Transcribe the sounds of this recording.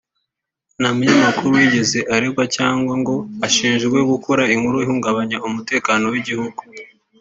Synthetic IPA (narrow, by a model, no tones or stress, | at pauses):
namuɲamakuɾuwiɟe̞ze̞ʔaɾeɡwacaːŋɡwaŋɡo̞aʃiːnʒɡwe̞ɡukʰoɾaiŋhuɾoihuːŋɡaβaɲaumute̞ːkaːno̞wiɟihuɡu